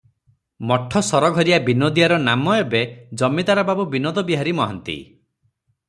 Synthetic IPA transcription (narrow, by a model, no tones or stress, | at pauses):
mɔʈʰːɔsɔɾɔɡʱɔɾijabinɔd̪ijaɾɔnamɔebed͡ʒɔmid̪aɾɔbabubinɔd̪ɔbiɦaɾimɔɦant̪ḭ